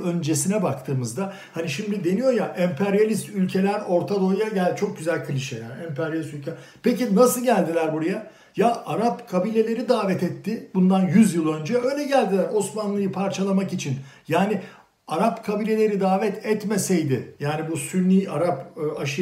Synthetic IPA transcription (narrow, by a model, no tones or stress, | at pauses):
ø̞nd͡ʒe̞sinɛbakt̪ʰɯːmɯzd̪a | haniʃimd̪id̪e̞nijo̞jaʔɛmpʰɛɾjalʲist̪ylʲcʰe̞lʲæɾo̞ɾt̪ʰad̪o̞jaɟælʲt͡ʃʰo̞k̚ɟyzælʲkʰɯlʲiʃɛja̰ːniɛmpɛɾjalʲst̪ylʲcʰelɾ | pecinasɯlˠɟælʲd̪ilʲæɾbuɾaja | jaʔaɾapkʰabiːlʲe̞lʲe̞ɾid̪aːvɛt̪ɛt̪ʰːɪbund̪anjyzjɯlˠø̞nd͡ʒɛø̞jlʲɛɟælʲd̪ilʲæɾo̞smanlˠɯjɯpʰaɾt͡ʃʰalˠamakit͡ʃʰin | jaːnɪ | aɾapkʰabiːlʲe̞lʲe̞ɾid̪aːvɛt̪ʰɛt̪mesejd̪ɪjaːnibusyɾniːʔaɾapːaʃɯ